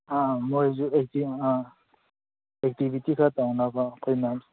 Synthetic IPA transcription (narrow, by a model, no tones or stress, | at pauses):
amɔjzuɛk̚ti | ɛk̚tibitikʰatawnakakʰɔjnam